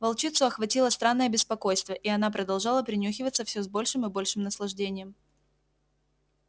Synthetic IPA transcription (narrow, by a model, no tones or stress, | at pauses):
vɐlˠt͡ɕit̪sʊɐxvɐtʲilˠəst̪ɾanːəjəbʲɪspɐko̞jst̪vʲəʔiɐnapɾəd̪ɐlˠʐalˠəpɾʲɪnʲuxʲɪvət̪sːəfsʲɵzbo̞lʲʂɨmɨbo̞lʲʂɨmnəslˠɐʐdʲenʲɪjəm